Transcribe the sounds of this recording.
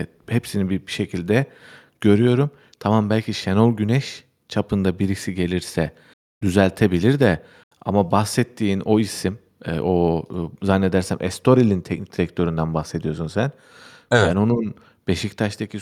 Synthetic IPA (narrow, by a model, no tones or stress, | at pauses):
hepsinibibiʃe̞cʰilʲd̪ɛ | ɟ̥ø̞ɾyjo̞ɾum | t̪ʰamambælʲcʰiʃenolˠɟynɛʃ | t͡ʃʰapʰɯnd̪abiɾicsiɟe̞lʲiɾsɛ | d̪̥yzælʲt̪ʰe̞bilʲiɾd̪ɛ | a̰mabaxsɛt̪ʰːiːno̞isim | ɛ̰ʔozanːe̞d̪æɾsæmʔɛ̰st̪ʰo̞ɾilʲint̪ʰɛcni̥c̚d̪iɾɛc̚t̪ʰø̞ɾynd̪anbaxse̞d̪ijosunsæn | bæno̞nun | b̥e̞ʃict̪ʰaʃt̪ʰacʰi